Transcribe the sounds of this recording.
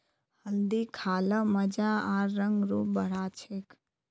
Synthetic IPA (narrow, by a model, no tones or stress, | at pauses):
həld̪ikʰaːləməd͡ʒaaɾːəŋɡɾuːbəɽ̤at͡ʃʰek